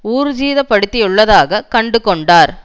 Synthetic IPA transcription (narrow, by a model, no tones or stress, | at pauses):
uːɾd͡ʒiːðɐpɐɽɪt̪ːɪjɯɭːɐðaːɣɐkɐɳɖɯkɔɳɖaːɾ